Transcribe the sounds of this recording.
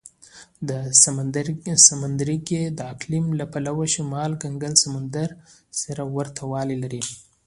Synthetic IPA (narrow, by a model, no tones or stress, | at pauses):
d̪əsmd̪samand̪ɾiɡed̪əaklimlapalawaʃimɑlɡaŋɡalsamand̪aɾsaɾawaɾt̪ʰawɑlilaɾi